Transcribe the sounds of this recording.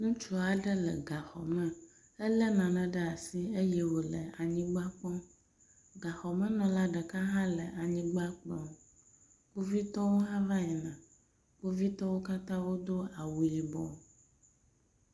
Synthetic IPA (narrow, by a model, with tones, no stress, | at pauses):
nũ˦t͡ʃu˦a˨ɖɛ˦lɛ̰˨ɡa˨xɔ˨mɛ̃˦ | ɛ˦lɛ˦nã˨nã˨ɖɛ˦a˨si˦e˦jɛ˦wo˨lɛ̰˨a˨ɲĩ˦ɡ͡ba˦k͡pɔ̃˦ | ɡa˨xɔ˨mɛ̃˦nɔ̃˨la˦ɖɛ˨ka˦ɦã˦lɛ˨ʔa˨ɲĩ˦ɡ͡ba˦k͡plɔ̃˦ | k͡pu˦vi˦t̪ɔ˦wo˦ɦã˦vã˦ɲɛ˨nã˨ | k͡pu˦vi˦t̪ɔ˦wo˦ka˦t̪ã˦wo˦d̪o˦a˨wu˨ji˨bɔ˨